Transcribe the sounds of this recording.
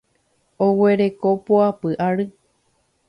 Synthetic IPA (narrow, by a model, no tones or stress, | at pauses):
owe̞ɾe̞ko̞poapɨʔaɾɨ